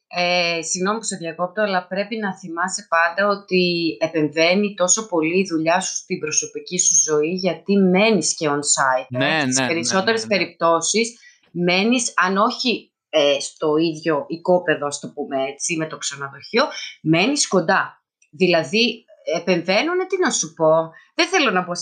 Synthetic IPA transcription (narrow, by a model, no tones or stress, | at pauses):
esiɣno̞miposeðʝɐko̞pt̪oɐlɐpɾe̞pinɐθimɐsepɐnd̪ɐo̞t̪iepe̞ɱve̞nit̪o̞so̞po̞liːðuʎɐsu̥st̪ibɾo̞so̞picisuzo̞iʝɐt̪ime̞nisceonsɐit̪st̪ispeɾiso̞t̪e̞ɾe̞spe̞ɾip̚t̪o̞sis | me̞nisɐno̞çi | est̪o̞iðʝo̞ʔiko̞pe̞ðo̞ɐst̪o̞pume̞e̞t͡sime̞t̪o̞ksɐnɐðoço̞me̞nisko̞nd̪ɐ | ðilɐði | epe̞ɱve̞nunet̪inɐsupo̞ðeθe̞lo̞nɐbo